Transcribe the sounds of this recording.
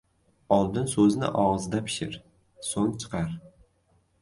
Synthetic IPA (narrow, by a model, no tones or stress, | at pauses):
ɒlˠd̪ɪnsɵznɪ̰ʔɒʁzd̪apʰɪ̥ʃɪɾ | soŋt͡ʃʰɨ̥qʰɑɾ